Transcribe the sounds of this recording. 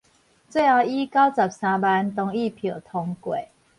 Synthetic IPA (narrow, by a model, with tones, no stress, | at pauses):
t͡swe˥˧ɪha˧i˦ka˦wt͡sa˨˩p̚sã˧ba˧˦nt̪ɔ˧ŋi˥˨pʰjo˨˩t̪ʰɔ˧ŋkwe˨˩